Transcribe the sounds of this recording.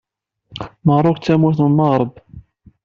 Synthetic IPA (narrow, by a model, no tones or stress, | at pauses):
məʁɾˤokt͡sːæmuθnməʁɾˤəb